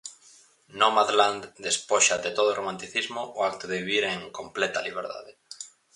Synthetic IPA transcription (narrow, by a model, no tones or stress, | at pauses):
nomaðland̪d̪espoʃaðet̪oðʊromãnt̪iθizmʊʔʊakt̪ʊðeβiβiɾeŋkomplɛt̪ɐliβ̞eɾða̰ðe